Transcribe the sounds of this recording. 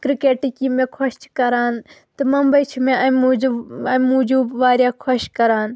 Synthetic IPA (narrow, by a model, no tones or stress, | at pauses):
kɾikeːʈikimẽːkʰɔʃt͡ʃkɐɾaːnt̪ɐmɐmbɐjt͡ʃʰimẽɐmuɐmũd͡ʒuːʋaːɾjaːkʰoʃkɐɾaːn